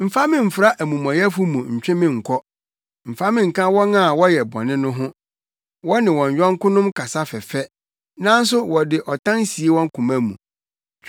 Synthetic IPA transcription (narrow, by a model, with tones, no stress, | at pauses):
m̩˨fa˦mɪ̃˦m̩˨fɾa˦ʔæ˨mũ˨mɔ̃˨jɛ˦fʊ˦mũ˨ɲ̩˨t͡ɕᶣɪ̃˦mɪ̃˦ŋ̩˨kʰɔ˦ | m̩˨fa˦mɪ̃˦ŋ̩˨kã˦wɔ˦nã˦˨wɔ˦jɛ˨bɔ̰̃˨nɪ̃˦nʊ̃˦ɦʊ̃˦ | wɔ˦nɪ̃˨wɔ̃˨ɲ˨ɥᶣɔ̃˦ŋ˦kʊ̃˦nʊ̃˦mkʰa˨sa˦fɛ˨fɛ˦ | nã˦n̩˦s̬ʊ˦wɔ˨dɪ˨ʔɔ˨tʰã˦nsi˨e˦wɔ̃˦ŋ˦kʰũ˨mã˦mṵ̃˨